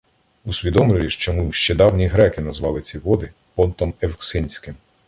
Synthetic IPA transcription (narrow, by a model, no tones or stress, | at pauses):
usʲʋʲid̪ɔmlʲɪʋʲiʃt͡ʃɔmuʃt͡ʃɛd̪ɑwnʲiɦɾɛkɪnɐzʋɑlˠɪt͡sʲiɦɔd̪ɪ | pɔnt̪ɔmewksɪnʲsʲkɪm